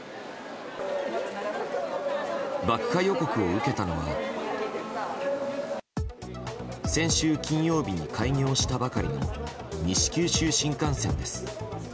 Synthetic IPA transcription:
bakːajo̞ko̞kɯ̟o̞ɯ̟ke̞t̪ano̞βa̰ | sẽ̞ɰ̃ɕɨːkʲĩɰ̃jo̞ːbʲiɲ̟ikʰaiɲʲo̞ːɕi̥t̪abakaɾʲinɲo̰ | ɲ̟iɕi̥kʲɨːɕɨːɕĩŋkãɰ̃sẽ̞nd̪e̞sɨ̥

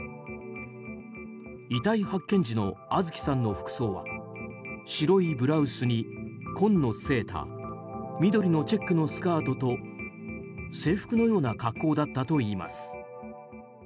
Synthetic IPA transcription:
it̪aihakːẽ̞ɲ̟d͡ʑino̞̰azɨkʲi̥sãnːo̞ɸɯ̟̥kɯ̟̥so̞ːβa̰ | ɕiɾo̞ibɯ̟ɾaɯ̟sɨɲ̟ikʰõ̞nːo̞se̞ːt̪ʰa̰ | mʲid̪o̞ɾʲino̞t͡ɕe̞kːɯ̟no̞sɨ̥kaːt̪o̞t̪o̞ | se̞ːɸɯ̟̥kɯ̟no̞jo̞ːnakakːo̞ːd̪at̪ːat̪o̞iːma̰sɨ̥

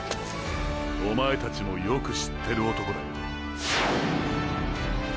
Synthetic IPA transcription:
omae̞t̪at͡ɕimo̞jo̞kɯ̟ɕi̥t̪ʰːe̞ɾɯ̟ot̪o̞kod̪a

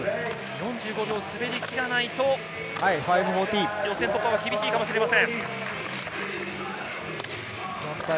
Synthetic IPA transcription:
jõ̞ɲ̟d͡ʑɨːɡo̞bʲo̞ːsɨbe̞ɾʲikʲiɾanait̪o̞ | haiɸaibɯ̟ɦoːt̪ʲiːjõ̞sent̪okːoβakʲibʲiɕiːkamoɕiɾe̞masẽ̞ŋ | jõka

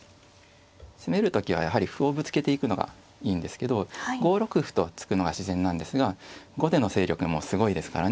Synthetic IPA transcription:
seme̞ɾɯ̟t̪o̞kʲiβ̞a̰jaɦaɾʲiɸɯo̞bɯ̟t͡sɨ̥ke̞t̪e̞ikɯ̟no̞ɡa̰ | iːnd̪e̞sɨ̥ke̞d̪o̞ɡo̞ːɾo̞kɯ̟ɸɯ̥t̪o̞t͡sɨ̥kɯ̟no̞ɡaɕizẽ̞nːãnd̪e̞sɨɡaɡo̞d̪e̞no̞se̞ːɾʲo̞kɯ̟mo̞sɨɡo̞id̪e̞sɨ̥ka̰ɾa

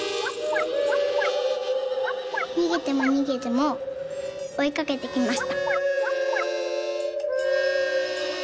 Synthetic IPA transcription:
ɲ̟iɡʲit̪e̞mo̞ɲ̟iɡʲit̪e̞mo | oikake̞t̪e̞kʲimaɕi̥t̪ḁ

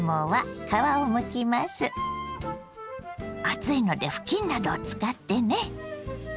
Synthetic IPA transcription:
moβakaβaomɯ̟kʲimasɨ | at͡sɨino̞d̪e̞ɸɯ̟̥kʲĩnːad̪o̞ːt͡sɨ̥kat̪ːe̞ne̞

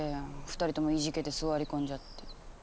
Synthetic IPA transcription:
eɸɯ̥t̪aɾʲit̪o̞mo̞iʑike̞t̪e̞sɨɡoaɾʲikõ̞ɲ̟d͡ʑat̪ːe

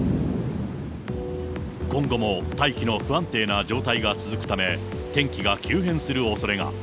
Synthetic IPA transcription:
kõ̞ŋɡo̞mo̞t̪aikʲino̞ɸɯ̟ãnt̪e̞ːnad͡ʑo̞ːt̪aiɡat͡sɨzɨkɯ̟t̪ame̞ | t̪ẽ̞ŋkʲiɡakʲʰɨːɦẽ̞sɨɾɯ̟o̞so̞ɾe̞ŋa̰

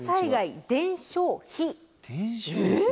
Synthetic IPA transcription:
saiɡaid̪ẽ̞ɰ̃ɕo̞ːçi

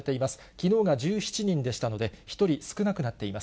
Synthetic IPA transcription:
et̪e̞imasɨ̥ | kʲino̞ːɡaʑɨːçi̥t͡ɕiɲ̟ĩnd̪e̞ɕi̥t̪ano̞d̪e̞çi̥t̪o̞ɾʲisɨ̥kɯ̟nakɯ̟nat̪ːe̞imas

